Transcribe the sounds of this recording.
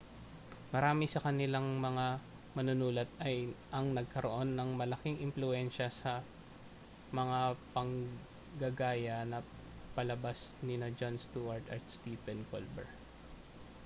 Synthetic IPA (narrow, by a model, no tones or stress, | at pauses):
mɐɾaːmɪsɐkɐnɪlaŋmɐŋa | mɐnʊnuːlɐt̪̚ɐjʔɐŋnɐɡ̚kɐɾoʔo̞nːɐŋmɐlɐkiŋʔɪmplʊɛnʃɐsɐ | mɐŋapɐŋ | ɡɐɡaːjɐnɐ | pɐlɐbasnɪnɐd͡ʒonst̪uʔaɹt̪ʔɐɹt̪st̪iːpɛnko̰lbɛ̰ɹ